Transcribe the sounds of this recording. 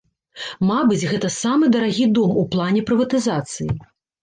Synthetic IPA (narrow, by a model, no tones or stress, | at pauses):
mabɨd͡zʲɣɛt̪ɐsamɨd̪ɐɾaɣʲid̪ɔmuplˠanʲɛpɾɨvɐt̪ɨzat̪sɨji